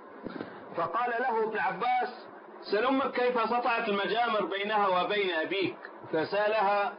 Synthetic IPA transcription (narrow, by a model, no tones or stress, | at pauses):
fɑqɑːlalahʊʔɪbnʕabːaːs | salʊmakːejfasɑt̪ˤɑʕɑt̪ɪlmad͡ʒaːmɪɾbajnahawɪbajnʔabiːk | fasaʔalaha